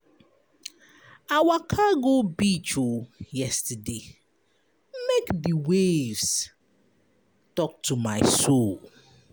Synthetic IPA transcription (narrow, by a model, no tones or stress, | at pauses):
awakʰaɡobit͡ʃojɛstəde | mekdiwevs | tɔk̚tʰumaɪsol